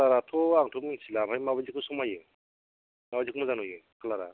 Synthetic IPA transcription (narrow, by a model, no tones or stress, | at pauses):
laɾatʰɔaŋtʰɔminsilabʰajmabazikɯsɔmajɯ | mabazikmazanujɯkʰalaɾa̰